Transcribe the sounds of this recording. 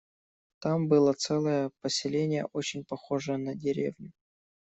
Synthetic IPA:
t̪ambɨlˠət̪sɛlˠəjəpəsʲɪlʲenʲɪjə̰ʔo̞t͡ɕɪnʲpɐxo̞ʐəjənɐdʲɪɾʲḛvnʲʊ

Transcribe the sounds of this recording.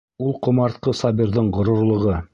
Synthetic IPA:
ulˠqŏmɑɾt̪̚qɤsɑbiɾðɤɴʁŏɾŏɾlˠɤ̆ʁɤ

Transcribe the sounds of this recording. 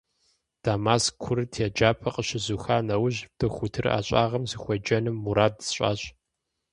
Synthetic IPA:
d̥aːmaːskʷʰʊɾɨtʰed͡ʒaːpʰɐqəɕɪzuxaːnɐwʊʑ̚tʰɐxʷʊtʰɨra̰ːɕʼaːʁɐmzɨxʷɔd͡ʒɐnɨmːuɾaːdɕʼa̰ːɕʼ

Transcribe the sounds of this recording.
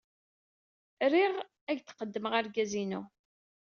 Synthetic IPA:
ɾiʁ | æʝθqəd̪ːəməʁaɾɡæzinu

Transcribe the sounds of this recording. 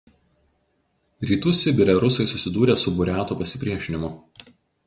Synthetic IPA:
ɾʲiːt̪ʊsʲɪbʲɪɾʲɛɾʊsɐɪsʊsʲɪd̪uːɾʲeːsʊbʊɾʲæːt̪uːpɐsʲɪ̥pʲɾʲiɛʃʲɪnʲɪmʊ

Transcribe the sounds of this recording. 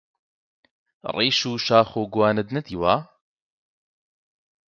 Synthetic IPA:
riːʃuːʃaːxoːɡuwaːnɐd̪nɐt̪iːwaː

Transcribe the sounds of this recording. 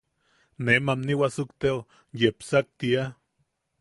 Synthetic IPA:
nemamniwasukt̪eo | jepsak̚t̪ia

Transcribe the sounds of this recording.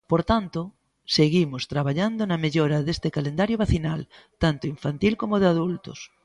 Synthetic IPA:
poɾt̪ant̪o | seɣimost̪ɾaβaʎand̪onameʎoɾaðest̪ekalend̪aɾjoβaθinal | t̪ant̪oiɱfant̪ilkomoð̞eaðult̪o̰s

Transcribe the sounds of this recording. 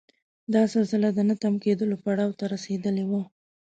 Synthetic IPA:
d̪ɑsalsəlad̪ənat̪amked̪əlopaɽɑwt̪aɾased̪əlewa

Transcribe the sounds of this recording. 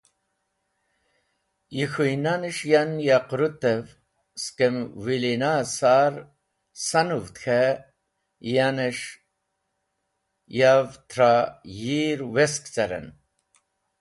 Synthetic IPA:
jixujnanəʃjanjaqɾut̪əv | skəmwilinasaɾ | sanuvt̪xʰa | janəʃ | javt̪ʰɾajiɾweskt͡sɐɾɐ̰n

